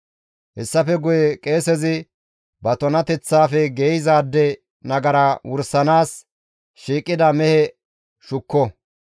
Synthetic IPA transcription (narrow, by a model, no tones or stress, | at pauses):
hɛsːɐfɛɡʊjɛkʼeːsɛzɪ | bɐt̪ɔnɐt̪ɛt͡sːaːfɛɡeːjɪzaːd̪ːɛ | nɐɡɐɾɐwʊɾsɐnaːs | ʃiːkʼːɪd̪ɐmɛhɛ | ʃʊkːɔ